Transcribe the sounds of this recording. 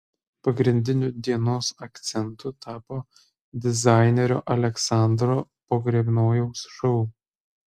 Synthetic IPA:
pɐɡɾʲɪnʲd̪ʲɪnʲʊd̪ʲiɛnoːsɐkt̪sʲɛnt̪ʊt̪ɑːpoː | d̪ʲɪzɑˑɪnʲɛɾʲo̰ːʔɐlʲɛksɑˑnd̪ɾoːpoːɡɾʲebʲnoːjɛʊsʃɐl

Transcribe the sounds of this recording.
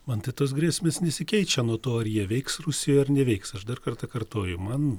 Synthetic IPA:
mɐnt̪ɐɪt̪oːs̬ɡɾʲæːsʲmʲeːsnʲɛsʲɪkʲɛɪt͡ʃʲɛnuɔt̪oːɐrjiɛʋʲɛɪksrusʲɪjoːɐrnʲɛʋʲɛɪksɐʃd̪ɐrkɐrt̪ɐkɐɾt̪oːjʊmɐn

